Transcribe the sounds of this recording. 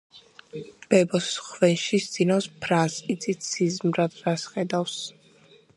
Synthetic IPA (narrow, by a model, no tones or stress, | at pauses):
b̥ɛbɔsχvɛnʃist̪sʼinaspʰɾasʼit̪sʼit̪sʰizmɾad̪ɾasχɛd̪afs